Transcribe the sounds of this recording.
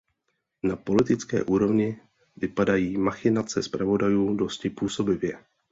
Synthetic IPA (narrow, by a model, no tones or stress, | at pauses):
napo̞lɪt̪ɪt͡skɛ̰ːʔuːɾo̞vɲɪ | vɪpadajiːmaxɪnat͡sɛspɾavo̞dajuːdo̞scɪpuːso̞bɪvjɛ